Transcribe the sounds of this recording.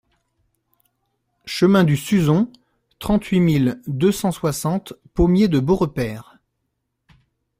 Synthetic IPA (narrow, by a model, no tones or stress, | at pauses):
ʃəmɛ̃d̪ysyzɔ̃ | t̪χɑ̃t̪ɥimild̪øsɑ̃swasɑ̃t̪pomjed̪əboʁəpɛːʁ